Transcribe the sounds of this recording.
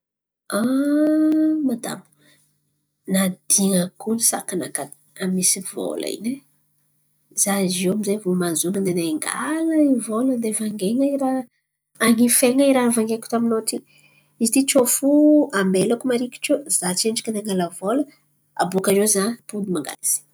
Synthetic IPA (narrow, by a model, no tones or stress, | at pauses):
a | mad̪a̰mu̥ | nad̪̥iŋəkunisa̰kanakad̪ | amisivo̰la̰ḭne | z̥azewamizevomazunand̪eneŋɡa̰ləivoləd̪evaŋɡeŋaiɾaː | ŋifeŋaiɾavaŋɡeku̥t̪aminot̪i | izit̪it͡ʃofuambelakumaɾikʲi̥ʈ͡ʂozat͡seɳɖ͡ʐḁkʲand̪eŋɡaləvolə | a̰bukaɾezapud̪imaŋɡa̰liz̥i̥